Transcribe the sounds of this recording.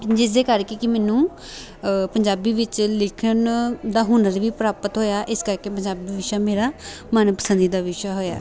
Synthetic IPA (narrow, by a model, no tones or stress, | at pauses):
d͡ʒɪsd̪eːkəɾkeːkɪmɛːnũː | pəɲd͡ʒaːbiːʋɪt͡ʃlɪkʰənd̪aːɦʊnəɾʋiːpɾaːpət̪ɦoːjaːʔɪskəɾkeːpəɲd͡ʒaːbiːʋɪʃaːmeːɾaːmənpəsənd̪iːd̪aːʋɪʃaɦoːja̰ː